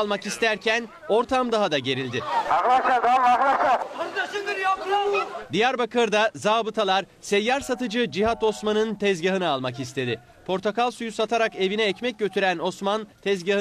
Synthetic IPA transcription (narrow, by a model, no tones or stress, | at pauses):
lˠmakist̪ʰæɾcʰæn | o̞ɾt̪ʰamd̪aɦad̪aɟe̞ɾilʲd̪ɪaɦaʃad̪amaɦaʃa | iɾjapad̪ijæɾbakʰɯɾd̪azaːbɯt̪ʰalˠaɾsɛjːaɾsat̪ɯd͡ʒɯd͡ʒiɦat̪o̞smanɯnt̪ʰɛzɟaɦɯnɯalˠmakist̪ʰe̞d̪ɪ | pʰo̞ɾt̪ʰokalˠsujusat̪ʰaɾake̞vinɛːcmɛc̚ɟø̞t̪ʰyɾæno̞smant̪ʰɛzɟaɦɯ